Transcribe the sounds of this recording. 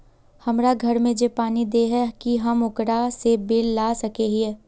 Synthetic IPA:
hɐmɾaɡʱɐɾmẽd͡ʒepaːnid̪eɦɛkiɦɐmʊkɾasebelːaːsɐkeɦiɛː

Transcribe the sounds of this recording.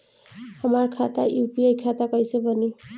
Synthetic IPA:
həmaɾkʰat̪aʔjupiajkʰat̪akʌjsebʱʌni

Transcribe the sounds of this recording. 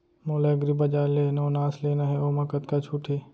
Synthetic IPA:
moːleɡɾibɐd͡ʒaːɾleːnaonaːsleːnaɦɛoːmɐkət̪kat͡ʃʰuːʈʰeː

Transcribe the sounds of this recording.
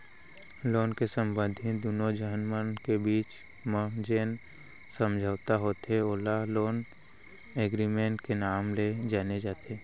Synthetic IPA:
loːnkesə̃mbə̃nd̪ʱid̪unod͡ʒəɦənmənkebiːt͡ʃ | məd͡ʒeːn | sə̃md͡ʒʱəʋt̪aɦoːt̪eolaloːn | eːɡɾimẽːɳʈkenaːmled͡ʒaːned͡ʒaːt̪eː

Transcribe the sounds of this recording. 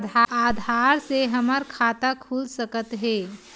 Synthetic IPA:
d̪ʱaad̪ʱaɾseɦəməɾkʰat̪akʰulsəkət̪ɦe

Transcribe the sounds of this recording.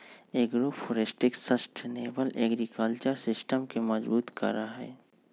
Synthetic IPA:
eːɡɾofʰoːɾesʈɪksəsʈʰneːʋəlʔɛːɡɾikəlt͡ʃəɾsɪsʈəmkemɐzbuːt̪kɐ̰ɾaɦɛ̰ː

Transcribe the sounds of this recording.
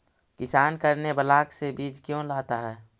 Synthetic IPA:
kɪsaːnkəɾnebəlaːksebiːd͡ʒkjõlaːt̪aɦɛː

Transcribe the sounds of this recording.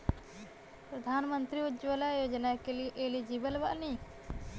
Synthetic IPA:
pɾɐd̪ʱaːnmənt̪ɾiud͡ʒʋəlajoːd͡ʒənakeliʔelid͡ʒibəlba̰ʔni

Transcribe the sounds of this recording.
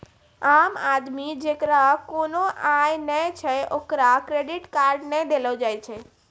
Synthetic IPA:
aːmad̪mid͡ʒekɾakonoʔajnət͡ʃʰɛokɾakɾeɖɪʈkaːɾɖnɛd̪eləd͡ʒajt͡ʃʰɛ

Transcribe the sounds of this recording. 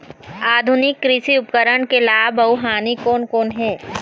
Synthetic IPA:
aːd̪ʱʊnɪkːɾɪsiʊpkəɾəɳkelaːbɐʊɦaːnikoːnkoːnɦɛː

